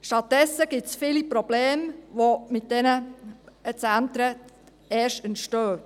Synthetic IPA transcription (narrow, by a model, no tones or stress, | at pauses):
ʃtɑt̚dɛsːəɡ̥ɪtsfɪːlipɾɔb̥leːmʋomɪt̚d̥ɛnə | ət͡sænt̪ɾə | ɛːʃtəntʃtøː